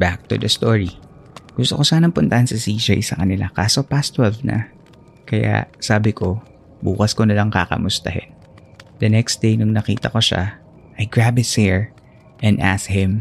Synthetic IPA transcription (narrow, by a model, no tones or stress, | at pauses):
bak̚t̪ṵd̪ɐst̪oɹi | ɡ̥ʊst̪oko̞saːnɐmpʊnt̪ɐhɐnsɐsiːd͡ʒajsɐkɐnɪla̰ka̰ːso̞past̪wɛlvnɐ̰ | kɐja̰ʔsaːbɪkʰo̞ | bṵːkɐskonɐlaŋka̰kɐ̰mʊst̪ɐɦɪ̰n | d̪ɐnɛksd̪ejnʊŋnɐkḭːt̪ɐko̞ʃa̰ | ʔɐjɡɹabɪt̪sɛɹ | ʔɛnʔa̰shɪ̃m